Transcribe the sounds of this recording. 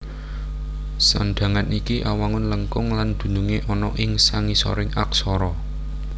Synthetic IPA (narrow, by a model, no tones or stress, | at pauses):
sanɖ̪̥ä̤ŋanikiʔawaŋʊnləŋkʊŋland̪̥ṳnuŋeʔɔnɔʔɪŋsaŋisɔ̰ɾɪŋak̚sɔɾɔ